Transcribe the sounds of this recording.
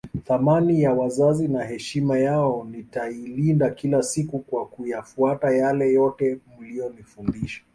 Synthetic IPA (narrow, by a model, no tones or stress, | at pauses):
θamanijawazazinaɦɛʃimajaɔnitailindakilasikukwakujafuatajalɛjɔtɛm̩lijɔnifundiʃḁ